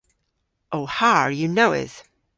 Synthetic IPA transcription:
ʔoʊhaɹjɨnoʊɪ̰s

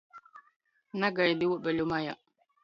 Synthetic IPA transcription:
naɡajadiwoɓbɛlumaja̰

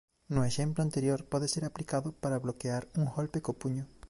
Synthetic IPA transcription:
nʊeʃemplʊãnt̪eɾjoɾpɔðeseɾaplikaðʊpaɾaβlokeaɾuŋɣolpekopuɲʊ

